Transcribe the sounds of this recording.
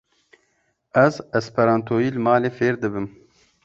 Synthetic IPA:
ɛzɛspʰɛɾɑːnt̪ʰoːjiːlɨmɑːleːfeːɾd̪ɨbɨm

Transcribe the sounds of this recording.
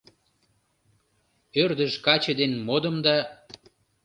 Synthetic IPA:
ørd̪əʒkɑt͡ɕəd̪enmod̪ə̆md̪ɑ

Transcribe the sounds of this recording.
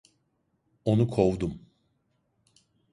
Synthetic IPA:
o̞nukʰo̞vd̪um

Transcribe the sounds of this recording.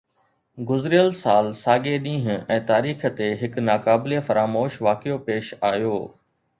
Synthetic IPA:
ɡʊzɾɪjəlsaːlsaːɡeɗĩːɦɛ̃ːt̪aːɾiːxə̆t̪eɦɪknaːkaːbɪlefɐɾaːmoːʃʋaːkɪjopeːʃaːjoː

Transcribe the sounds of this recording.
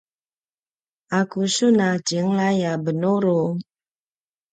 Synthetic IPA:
akusunad͡ʒəŋlajabənoɾo

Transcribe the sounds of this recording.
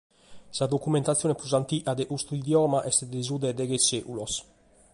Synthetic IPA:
sad̪okument̪at̪sjonepuzant̪iʔad̪eʔust̪uid̪jɔmaʔɛst̪ed̪ezud̪ed̪eɡeseʔulos

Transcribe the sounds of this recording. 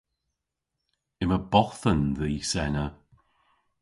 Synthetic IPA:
ɪməbɔθənðiːsɛnə

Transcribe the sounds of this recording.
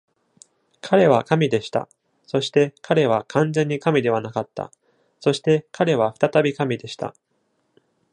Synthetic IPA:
kʰaɾe̞βakamʲid̪e̞ɕi̥t̪a̰ | so̞ɕi̥t̪e̞kʰaɾe̞β̞akʰãnd͡zẽ̞ɲ̟ːikamʲid̪e̞β̞anakat̪ːa̰ | so̞ɕi̥t̪e̞kʰaɾe̞β̞aɸɯ̟̥t̪at̪abʲikamʲid̪e̞ɕi̥t̪a̰

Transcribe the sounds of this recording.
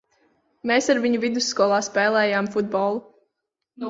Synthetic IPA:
meːsaɾviɲuvid̪usːkɔlˠaːspɛːlˠɛːjaːmfud̪̚bɔːlˠu

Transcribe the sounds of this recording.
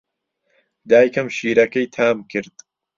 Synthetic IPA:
d̪aːjkʰɐmʃiːɾɐkɐjt̪ʰaːmkʰɨɾd̪̥

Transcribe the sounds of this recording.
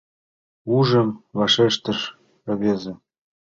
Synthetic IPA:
uʒə̆mβɑʃeʃt̪ə̆ʃ | ə̆βezĕ

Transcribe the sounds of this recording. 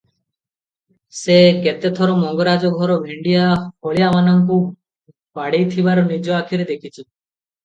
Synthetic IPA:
seket̪et̪ʰɔɾɔmɔŋɡoɾad͡ʒɔɡʱɔɾɔbʱeɳɖijahɔɭijamanɔŋku | baɽejt̪ʰibaɾɔnid͡ʒɔakʰiɾed̪ekʰit͡ʃʰi

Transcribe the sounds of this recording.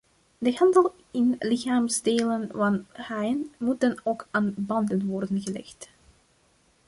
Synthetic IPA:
dəɦɑndəlˠ | ɪnlɪxaːmzdeːlənvɑnhajənmut̚ənoːkaːnbɑndənʋɔrdənɣəlɛ̰xt

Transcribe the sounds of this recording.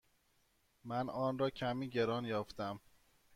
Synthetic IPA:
mænɒːnɾɒːcʰæmiːɟeɾɒːnjɒːft̪æm

